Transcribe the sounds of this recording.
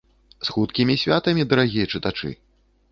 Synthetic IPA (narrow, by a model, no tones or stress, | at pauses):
sxut̪kʲimʲisʲvʲat̪ɐmʲid̪ɐɾaɣʲijɐt͡ʂɨt̪at͡ʂɨ̰